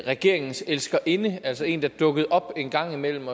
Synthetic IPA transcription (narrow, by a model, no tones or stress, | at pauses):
ʁɛɡ̥e̝ɐ̰e̝ŋn̩selsɡ̥ɐʔe̝nəælsɒe̝̰ːnd̥ɑd̥ɔ̽ɡ̥əð̞̩ˠɒ̽b̥e̝ːnɡ̥ɑ̈ŋ̰imel̰m̩ɒ